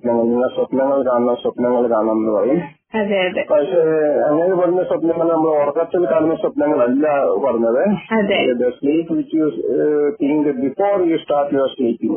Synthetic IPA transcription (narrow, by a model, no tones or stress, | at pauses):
pnɐŋːɐɭniŋːɐɭsɐpnɐŋːɐɭkaːɳɐnɐswɐpnɐŋːɐɭkaːɳaːnnːɨpɐrɐjum | ɐðeɐdepɐʂeɐŋːɐneɨpɐrɐɲːɐsɐpnɐŋːɐɭnɐmːɐɽeɐrɐkːɐt̪ːilkaːɳnːɐsɐpnɐŋːɐɭɐlːɐpɐrɐɲːɐðɨɐded̪ɐsliːpʋit͡ʃːjut̪ʰiŋɡɨbifoːrjusʈaːʈjuɐsliːpːiŋ